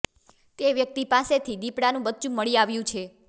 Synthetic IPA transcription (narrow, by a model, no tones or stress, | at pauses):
t̪eʋjək̚t̪ipaset̪ʰid̪ipɽanũbətːt͡ʃũməɭiaʋjũt͡ʃʰe